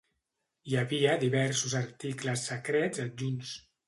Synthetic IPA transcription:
jaβiəd̪iβɛɾsuzaɾt̪ikləsːəkɾɛd͡zaʒuns

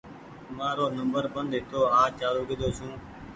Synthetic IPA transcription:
mãːɾoːnəmbəɾbənd̪eːt̪oːaːt͡ʃaːɾoːkɪd̪oːsũː

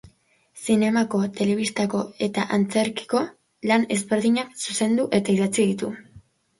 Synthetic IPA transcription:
sine̞mako̞t̪e̞le̞β̞ist̪ako̞e̞t̪aʔant͡se̞ɾki̥ko̞ | lane̞zβe̞ɾðiɲaksuse̞nd̪uʔe̞t̪aiðat͡siðit̪u

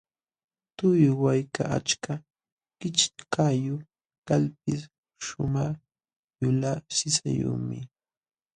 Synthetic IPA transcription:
t̪ʊjʊwajkaʔa̰t͡ʃka | kɪt͡ʃkajʊ | kalp̚ɪs | ʃʊmaχ | jʊlasɪsa̰jṵmɪ̰

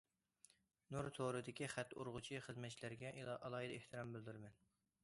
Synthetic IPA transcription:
nuɾt̪ʰoɾɨd̪ɪkʲiχæt̪ːo̰ɾʁʊt͡ʃʰiχəzmɛt̪̚t͡ʃʰilæɾɡʲɛʔɑlˠɑːɦid̪ɛeht̪ʰɨɾɑmbɪld̪yɾmɛn

